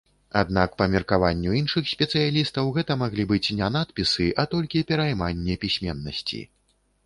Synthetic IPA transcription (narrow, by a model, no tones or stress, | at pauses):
a̰d̪̚nakpɐmʲɛrkavanʲːuinʂɨxsʲpʲɛt̪sɨjalʲist̪ɐwɣɛt̪ɐmaɣlʲibɨt͡sʲnʲɛnat̪pʲisɨʔat̪ɔlʲkʲipʲɛɾajmanʲːɛpʲisʲmʲɛnːɐ̰sʲt͡sʲḭ